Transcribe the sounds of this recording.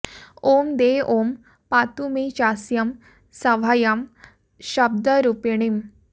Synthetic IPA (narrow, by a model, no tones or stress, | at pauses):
omd̪eom | pat̪umet͡ɕasjəm | səʋ̤ajam | ɕəb̚d̪əɾupiɳ̃im